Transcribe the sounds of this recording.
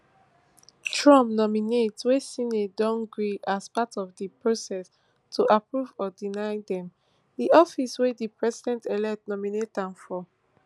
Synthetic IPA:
tʰɹɔ̃mp̚nɔminetswesĩnedɔ̃ŋɡɹiʔaspatɔvdipɹosɛs | tʰuʔapɹuvɔdinaɪdɛ̃m | diʔɔfiswedipʰɹɛzidɛ̃ntɛlɛk̚tnɔminetãnfɔ

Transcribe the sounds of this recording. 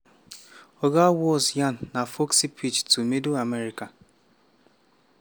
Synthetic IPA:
oɡawɔsjanːafoksipʰit͡ʃtumeduameɾika

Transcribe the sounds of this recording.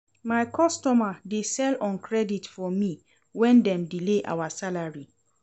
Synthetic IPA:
maɪkʰɔstɔmadesɛlɔ̃nkʰɹɛditfɔmi | wɛ̃ndɛ̃mdileʔa̰wasalaɹi

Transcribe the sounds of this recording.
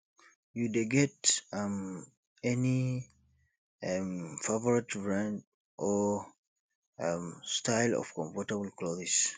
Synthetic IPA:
judeɡɛtam | ɛni | amfavɔɹitbɹãnd | ʔɔ | amstaɪlɔ̰fkɔ̃ɱfɔtəbl̩klɔzɪs

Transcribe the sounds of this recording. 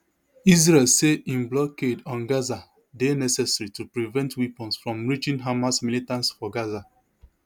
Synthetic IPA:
izɹɛlseĩnblɔkedɔ̃nɡaza | denɛsɛsɹitupɹivɛ̃ntwipɔ̃nsfɹɔ̃mɹit͡ʃĩnɦamasmilitãntsfɔɡaza

